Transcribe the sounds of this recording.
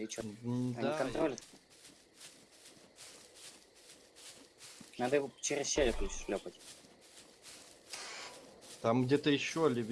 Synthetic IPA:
ɪt͡ɕodɐaikɐnt̪ɾolʲɪ | nad̪əɪvot͡ɕɪɾʲɪsɕelʲɪplʲʊʂlʲopətʲ | t̪amɡdʲet̪əjɪɕːolʲɪvʲ

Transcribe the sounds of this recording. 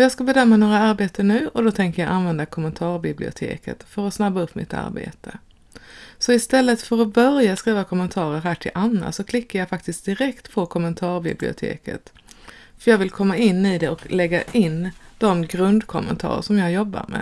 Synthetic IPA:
ɔjɑːɡskabɛd̪œmːanoːɾaaɾbeːt̪ənʉ̟ːɔd̪ɔt̪ʰɛŋkəjɑʔanvɛnd̪akʰɔmːənt̪ʰɑːɾbɪblɪʊ̰t̪ʰḛːkʰə̰t̪fœɾɔsnabːaɵpːmɪ̰t̪a̰ɾbḛːt̪ʰə | sɔɪst̪ɛlːət̪fœɾɔbœɾjaskɾiːvakʰɔmːənt̪ʰɑːɾəɾɦæːʈʰɪlʔanːa̰sɔkʰlɪkːajɑːfak̚t̪ɪsk̚d̪ɪɾɛkt̪pʰɔkʰɔmːənt̪ʰɑːɾbɪ̰blɪ̰ʊ̰t̪ʰḛːkə̰t̪ | fœɾjɑːɡvɪlkʰɔmːaɪnːɪd̪ɛɔklɛɡːaʔɪnːd̪̥ɔmɡɾɵnd̪kʰɔmːə̰nt̪ʰɑ̰ːɾə̰ʂɔmjɑːɡjɔbːa̰ɾmɛ̰

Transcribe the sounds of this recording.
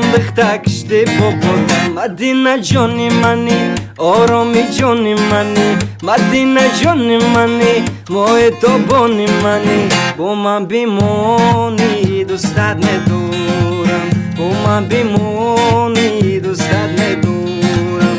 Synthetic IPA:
mbɨχt̪akʰi̥ʃt̪ebɔbɔamad̪inad͡ʒɔnimaniɔɾɔmid͡ʒɔnimanimad̪inad͡ʒɔnimani | mɔet̪ɔbɔnimanibɔmanbimɔnid̪usd̪at̪med̪u | nuɾambɔmanbimɔnid̪usd̪ad̪̚meb̪u | ɾam

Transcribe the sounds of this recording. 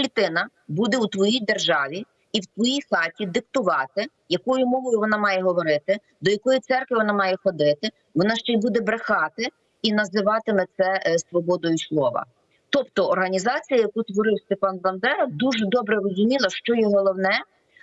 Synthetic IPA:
lʲit̪ɪnɐ | bud̪ɛut̪ʋɔjijd̪erʒɑʋʲi | iwt̪ʋɔjijxɑtʲid̪ɪkt̪ʊʋɑt̪ɪ | jɐkɔjʊmɔʋɔjʊʋɔnɑmɑjɛɦɔʋɔɾɪt̪ɪ | d̪ɔjɐkɔjit̪sɛrkʋɪʋɔnɑmɑjɛxɔd̪ɪt̪ɪ | ʋɔnɑʃt͡ʃɛjbud̪ɛbɾexɑt̪ɪ | inɐzɪʋɑt̪ɪmɛt̪sɛsʋɔbɔd̪ɔjʊslˠɔʋɐ̰ | t̪ɔpt̪ɔɔrɦɐnʲizɑt͡sʲijɐjɐkut̪ʋɔɾɪwst̪epɑnbɐnd̪ɛɾɐd̪uʒɛd̪ɔbɾɛrɔzʊmʲilˠɐʃt͡ʃɔjɔɦɔlˠɔwnɛ

